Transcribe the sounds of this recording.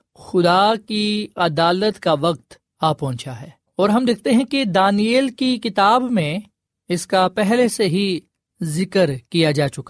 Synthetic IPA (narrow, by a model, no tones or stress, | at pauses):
xʊd̪akiɐd̪aːlət̪kaʋɐq̚t̪ | aːpɔ̃ɦʊt͡ʃaɦɛː | ɔːɾɦɐmd̪ɪkʰt̪eɦɛ̃ked̪aːnieːlkikɪt̪aːbmẽ | ɪskapɛɦleseɦi | zɪkəɾkijad͡ʒaːt͡ʃʊka